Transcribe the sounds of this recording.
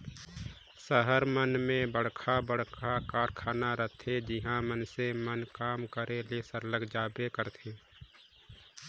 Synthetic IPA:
səɦəɾmənmẽbəɽ̤kʰabəɽ̤kʰakaːɾkʰaːnaɾət̪ʰed͡ʒɪɦãmənsemənkaːmkəɾʔelesəɾləɡd͡ʒaːbekəɾt̪ʰeː

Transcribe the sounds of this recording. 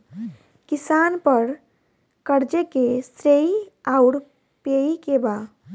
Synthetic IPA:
kisanpəɾ | kəɾd͡ʒekest̪ɾeiaʊɾ | peikeba

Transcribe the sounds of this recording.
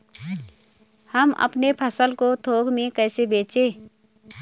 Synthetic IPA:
həmə̰pnepʰəsəlkot̪ʰoːɡmẽkɛːsebeːt͡ʃeː

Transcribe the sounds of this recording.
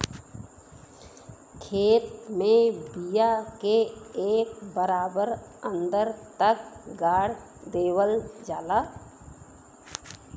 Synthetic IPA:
kʰeːt̪mẽbijakeeːkbəɾaːbəɾə̃nd̪əɾt̪əkɡaːɽ | d̪eːwəld͡ʒaːlaː

